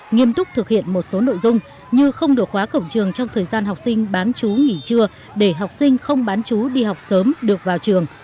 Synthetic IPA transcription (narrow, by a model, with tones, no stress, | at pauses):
ŋi˧əmt̪ʊ˦˥k͡p̚t̪ʰɨ˨˩k̚hḭ˧˨ənmo˨˩t̚so˨˦no̰˧˨jzʊ˧ŋ͡m | ɲɨ˧xə˧wŋ͡mɗɨ˨˩ək̚xwaː˨˦kə̰˧˨wŋ͡mt͡ɕɨ˨˩əŋt͡ɕɔ˧wŋ͡mt̪ʰəː˨˩jzaː˧nɦa˨˩wk͡p̚sï˧ŋ̟ɓaː˨˦nt͡ɕu˨˦ŋi˧˩t͡ɕɨ˧ə | ɗe˧˩ɦa˨˩wk͡p̚sï˧ŋ̟xə˧wŋ͡mɓaː˨˦nt͡ɕu˨˦ɗi˧ɦa˨˩wk͡p̚səː˨˦mɗɨ˨˩ək̚vaː˨˩wt͡ɕɨ˨˩əŋ